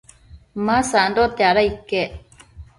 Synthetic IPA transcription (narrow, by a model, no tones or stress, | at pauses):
masandot̪aɾaikːe